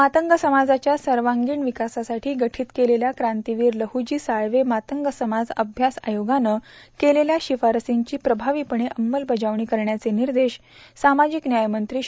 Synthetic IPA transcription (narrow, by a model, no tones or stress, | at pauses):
mat̪əŋɡəsəmad͡zat͡ɕjasəɾʋaŋɡiːɳʋikasasaʈʰiːɡəʈʰiːt̪keleljakɾãnt̪iʋiːɾləhud͡ʑiːsaɭʋemat̪əŋɡəsəmad͡zəbʱjasa̰joɡanəkeleljaɕifaɾəsiɲt͡ɕiːpɾəbʱaʋiːpəɳ̃eʔəmːəlbəd͡ʑaʋɳiːkəɾɳjat͡seniɾd̪eɕ | samad͡ʑiknjajmənt̪ɾiː